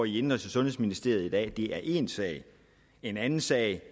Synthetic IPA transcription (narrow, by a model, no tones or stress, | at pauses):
ɒiend̥ʁɐt͡sʰsʰesɔ̽nɦhesminisd̥e̝ɐid̥ɛ̰ːd̥e̝æɐʔe̝nsɛ̰ːɪ | e̝nænn̩sɛ̰ɪ